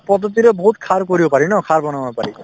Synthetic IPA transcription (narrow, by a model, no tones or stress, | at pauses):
pʌd̪ʱːʌt̪̬iɾʌbʌɦut̪kʰaɾkoɾijopʌɾinʌkʰaɾbʌnawnopʌɾi